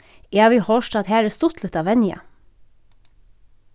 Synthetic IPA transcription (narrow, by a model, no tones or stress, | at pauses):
eɑʋiːhoːʃʈɑːd̪hæːɾəst̪ʊt̪ʰlət̪ɑːʋɛnɪɑ̰